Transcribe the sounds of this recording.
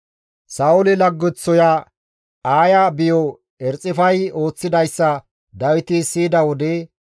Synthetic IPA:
sɐʊlɪlɐɡːʊt͡sːɔja | aːjabɪjɔ | ɛɾt͡sʼːɪfɐjo̞ːt͡sːɪd̪ɐjsːɐ | d̪ɐwɪt̪ɪsiːd̪ɐwɔd̪ɛ

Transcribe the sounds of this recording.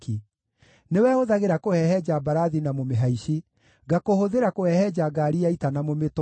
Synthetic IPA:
ki | newɛoðaɣeɾakohɛhɛd͡ʑabaɾaðinamomeɦaiɕi | ɡakohoðeɾakohɛhɛd͡ʑaɡaːɾiaitanamomet

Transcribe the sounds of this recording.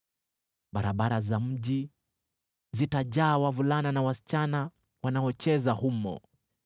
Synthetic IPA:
ɓaɾaɓaɾazam̩ʄi | zitaʄaːwavulananawasi̥t͡ʃana | wanaɔt͡ʃɛzahumɔ̰

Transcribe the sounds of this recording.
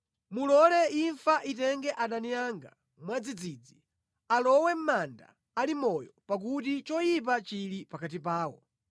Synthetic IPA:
mulɔlɛiɱfaʔitɛŋɡɛʔaɗanijaŋɡa̰ | mwad͡zid͡zid͡zi | alɔwɛm̩manda̰ː | limɔjɔpak̬ut̬it͡ʃɔjip̬at͡ʃilipakat̬ipaːwɔ̰

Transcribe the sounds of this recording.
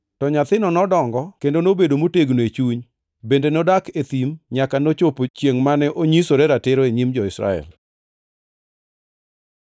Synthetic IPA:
tɔɲat̪ɪnɔnɔdɔŋɡɔkendonobedomoteɡnoet͡ʃuɲ | bendenodaket̪imɲakanot͡ʃopot͡ʃjeŋmanɛʔoɲisoɾɛɾatɪɾoeɲimd͡ʒɔɪsɾa̰ɛ̰l

